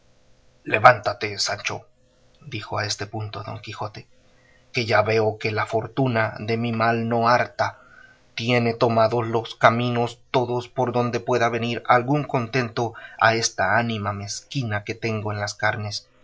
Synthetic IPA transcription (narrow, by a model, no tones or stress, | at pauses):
le̞βant̪at̪e̞sant͡ʃo̰ | d̪ixoae̞st̪e̞punt̪o̞ðo̞̰ŋkixo̞t̪e̞̥ | ke̞ʝaβe̞oke̞lafo̞ɾt̪unaðe̞mimalno̞aɾt̪a | t̪je̞ne̞t̪o̞maðo̞slo̞skamĩno̞st̪o̞ðo̞spo̞ɾðo̞nd̪e̞pwe̞ðaβe̞niɾalɣuŋko̞nt̪e̞nt̪o̞a̰e̞st̪aanimame̞skinake̞t̪e̞ŋɡo̞enlaskaɾne̞s